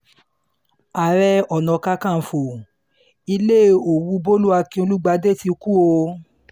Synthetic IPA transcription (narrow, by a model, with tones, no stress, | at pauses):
a˨ɾɛ˧ɔ˨nɔ̃˨ka˧kã˦˨fo˨ | i˧le˦˨o˨wu˧˦bo˦lu˦a˧kĩ˧˦o˧lu˦ɡ͡ba˧de˦˨ti˧˦ku˦o˧